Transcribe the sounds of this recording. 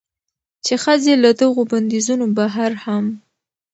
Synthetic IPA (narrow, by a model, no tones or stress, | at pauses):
t͡ʃexəzelad̪əɣoband̪izunobaɦaɾham